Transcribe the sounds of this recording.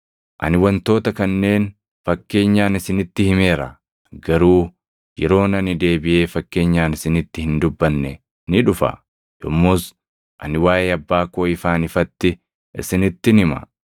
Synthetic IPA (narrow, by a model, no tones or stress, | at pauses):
ʔɐ̰nɪwɐnt̪o̞ːt̪ɐkɐnːe̞ːn | fɐkːe̞ːɲːaːnɪsɪnɪt̪ːɪhɪme̞ːɾɐ | ɡɐɾuː | jɛɾo̞ːnɐnɪd̪e̞ːbɪʔe̞ːfɐkːe̞ːɲːaːnɪsɪnɪt̪ːɪhɪnd̪ʊbːɐnːɛ | nɪᶑʊfɐ̰ | jɔmːus | ʔɐnɪwaːjeːɐbːaːkoːɪfaːnɪfɐt̪ːɪ | ʔɪ̰sɪnɪt̪ːɪnɪmɐ̰